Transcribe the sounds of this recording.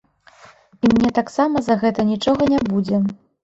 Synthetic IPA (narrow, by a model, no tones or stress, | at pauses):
imnʲɛt̪aksamɐzaɣɛt̪ɐnʲit͡ʂɔɣɐnʲabud͡zʲɛ